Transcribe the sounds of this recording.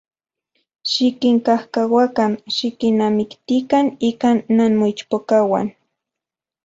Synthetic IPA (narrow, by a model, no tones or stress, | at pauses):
ʃɪkɪŋkahkawakamʃɪkɪnamɪkt̪ikanikanːanmʊt͡ʃpokawa̰n